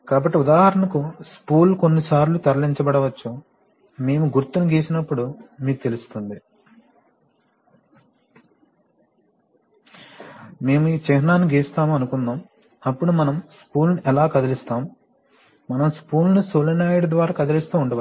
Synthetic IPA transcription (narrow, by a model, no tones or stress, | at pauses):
kaːbɐʈːiud̪aːɦɐɾɐɳɐkuskuːlko̞nːisaːɾlut̪ɐɾɐliɲt͡ʃɐbɐɽɐʋɐt͡ʃːu | me̞ːmuɡuɾt̪ːunuɡeːsinɐpːuɽumiːkut̪e̞lust̪und̪i | me̞ːmuiːt͡ʃɛɦɐnaːniɡeːst̪aːmuɐnukund̪aːm | ɐpːuɽumɐnɐmskuːlniʔɛlaːkɐd̪ɐlist̪aːmu | mɐnɐmskuːlnusolɐnaːjiɽd̪ʋaːɾaːkɐd̪ɐlist̪uːuɳɖɐʋɐ